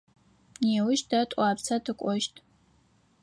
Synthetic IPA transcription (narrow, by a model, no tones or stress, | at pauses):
neːwʊʃdatʷʼaːpt͡sʰɐdʰɨkʷʼɔʃtʼ